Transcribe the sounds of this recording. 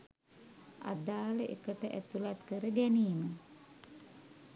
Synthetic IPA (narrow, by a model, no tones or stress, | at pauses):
a̰d̪aːləʔekəʈəʔæt̪ulat̪kəɾəɡæniːmə